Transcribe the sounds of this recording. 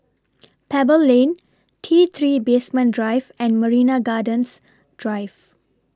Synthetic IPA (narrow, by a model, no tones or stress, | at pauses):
pʰɛbəlːẽːn | ʈʰiːt̪ʰɾiːbeːsmɛ̃nɖɾaɪʋɛ̃ɳɖməɾiːnaɡaːɖə̃ns | ɖ̥ɾaɪʋ